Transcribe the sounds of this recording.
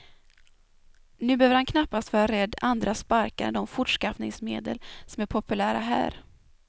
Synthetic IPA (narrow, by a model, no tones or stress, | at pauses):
nʉ̟ːbøːvəɾhankʰnapːast̪v̥ɑːɾaɾɛd̪ːand̪ɾaspaɾkaɾd̪ɔmfʊʈʂkafnɪŋsmeːd̪ə̰lsɔmæɾpʰɔpɵlæːɾa̰ɦæ̰ːɾ